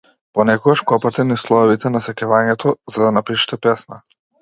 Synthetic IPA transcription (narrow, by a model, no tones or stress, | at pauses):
pɔnɛkɔɡaʃkɔpat̪ɛnislˠɔvit̪ɛnasɛkɛvaɲɛt̪ʰɔzad̪anapiʃɛ̥t̪ɛpɛsna